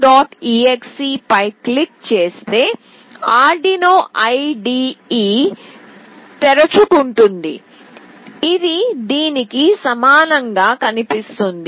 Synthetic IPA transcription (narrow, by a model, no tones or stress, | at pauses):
ɖaːʈiːeksiːpɐjklikt͡ʃe̞ːst̪e̞ː | aːɾɖinoːʔɐjɖiːiː | t̪ɛɾɐt͡ʃukuɳʈund̪ḭ | id̪id̪iːnikisɐmaːnɐŋɡaːkɐnipist̪und̪i